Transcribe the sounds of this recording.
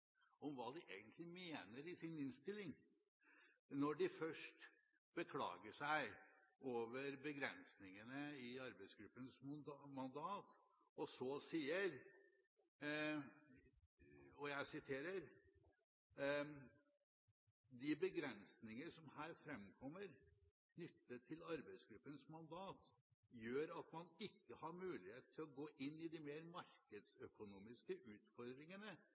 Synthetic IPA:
ɔmʋɑːd̪ɪʔeːɡənt̪ʰlɪmeːnəɾɪsɪnɪnst̪ɪlːɪŋ | nɔɖɪfœʂʈ | b̥əkʰlɑ̰ːɡəʂæɪoːʋəɾbəɡɾɛ̰nsnɪŋənəɪɑɾbæɪsɡɾʉpːənsmɑnd̪ɑːt̪ | ɔsɔsiːəɾ | ɔjæɪsɪt̪ʰeːɾəɾ | d̪ɪbəɡɾɛnsnɪŋəʂɔmhæːɾfɾɛmkʰɔmːəɾ | kʰnʏt̪ːət̪ʰːɪlɑɾbæɪsɡɾʉpːənsmɑnd̪ɑːt̪jøːɾɑt̪mɑnɪkːəhɑɾmʉːlɪheːt̪̚ʰːɪlɔɡoːʔɪnːɪd̪ɪmeːɾmɑɾkəd̪sœkʊnuːmɪskəʔʉːt̪fɔɾd̪ɾɪŋənə

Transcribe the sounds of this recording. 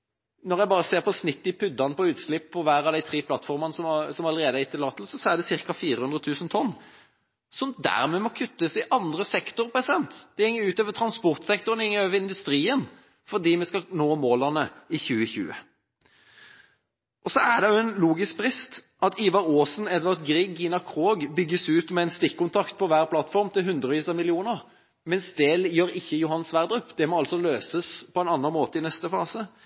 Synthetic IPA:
nɔʁjæɪbɑːʁəseːʁpɔsnɪt̪ːɪpʰʏd̪ːɑnəpɔʉːt̪slɪpːɔʋæːɾɑʋd̪æɪt̪ʰʁiːpʰlɑt̪ːfɔʁmɑnəsɔmsɔmɑləɾeːd̪əæɪt̪ʰːɪlɑːt̪l̩sɔsɔæd̪ɛsɪʁkɑfiːɾəhʉnd̪ʁət̪ʰʉːsən̩t̪ʰɔnː | sɔmd̪æ̰ːʁmɛmɔkʰʉt̪ːəsɪʔɑnd̪ʁəsɛkt̪ʊɾpʰɛsɛnt̪d̪̥ɛhɛŋːəʉːt̪øːʋət̪ʰɾɑnspɔʁt̪sɛkt̪ʊʁənɪŋːəøːʋəɾɪnd̪ʉst̪ʁiːən | fɔd̪iːmɛskɑnoːmoːlɑnəɪçʉːəçʉ̰ːə̰ | ʔɔsɔæd̪ɛjʊɛnluːɡɪsk̚bɾɪst̪ | ɑt̪iːʋɑɾoːsn̩ɛd̪ʋɑʁt̪ɡɾɪɡinɑkʰʁoːɡbʏɡːəsʉːt̪mɛɛnst̪ɪkːʊnt̪ʰɑkt̪̚pʰɔʋæːʁpʰlɑt̪fɔʁmt̪ʰɪlɦʉnd̪ɾɔʋiːsɑmɪlɪuːnəʁ | mɛnsd̪eːljøːɾɪçːəjʊhɑnsʋæʁd̪ʁʉpːd̪̥ɛmɔɑlt̪sɔløːsəspʰɔɛnɑnːɑnmoːt̪əɪnɛst̪əfɑːsə

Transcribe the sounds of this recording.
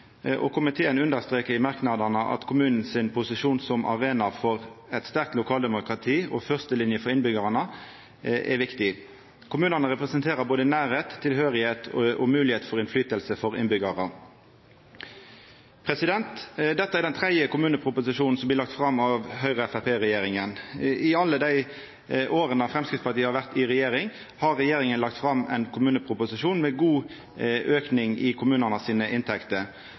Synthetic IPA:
ʔɔ̰kʰʊmɪt̪ʰeːənʉnd̪əʁst̪ʁeːkəɾɪmɑʁknɑd̪ənəʔɑ̰t̪kʰʊmʉːnn̩sɪnpʰʊsɪʃuːnsɔmʔɑ̰ʁeːnɑfɔʁɛt̪st̪æʁk̚t̪lʊkʰɑːld̪ɛmʊkʁɑt̪ʰiːɔ̰fœʁst̪əlɪnjəfɔʁɪnbʏɡəʁɑnə | ʔɛ̰ʋɪkt̪ɪ | kʰʊmʉːnənəʁɛpʁɛsənt̪ʰeːʁəboːd̪ənæːɾheːt̪ʰːɪlhøːʁɪheːt̪ʰʔɔmʉːlɪheːt̪fɔʁɪnflyːt̪əlsəfɔʁɪ̰nbʏɡɑʁə | pʰɾɛsɪd̪ɛnt̪d̪ɛt̪ːəæɾd̪ɛnt̪ʰɾɛd̪jəkʊmʉːnəpʰɾʊpʊsɪʂuːn̩sɔmblɪːlɑkt̪fɾɑmɑʋɦœʏʁəɛfæpeːʁɛjeːɾɪŋənɪɑlːəd̪æɪ | ʔoːɾənɑfɾɛmskʁɪt̪spɑʁt̪iːəhɑɾʋæʁt̪ɪʁɛjeːɾɪŋ | hɑʁɛjeːɾɪŋənlɑkt̪fɾɑmɛ̰ɪnkʰʊmʉːnəpʰɾʊpʊsɪʂuːnmɛɡuː | ʔøːknɪŋɪkʰʊmʉːnənəsiːnəʔɪnt̪ʰɛkt̪ə

